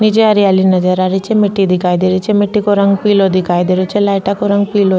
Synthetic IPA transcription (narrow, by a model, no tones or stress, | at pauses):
nid͡ʒeɐɾialinɐd͡ʒɐɾaɾit͡ʃemiʈːid̪ikaːjd̪iɾit͡ʃemiʈːikoɾɐŋɡpiːlod̪ikaːjd̪iɾut͡ʃelajʈakoɾɐŋɡpiːlo